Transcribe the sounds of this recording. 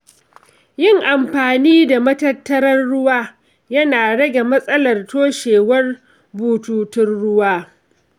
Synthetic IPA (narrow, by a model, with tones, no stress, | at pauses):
jɪ˦ŋʔa˨mɸaː˨niː˦da˨mɐ˦tɐ˦tːɐ˦ɾɐ˦rːʊ˦waː˦ | jɐ˦naː˨ɽɐ˦ɡʲe˨mɐ˦sʼɐ˦lɐ˨rtoː˦ʃeː˨wɐ˦r | buː˨tuː˨tɪ˦rɽʊ˦waː˦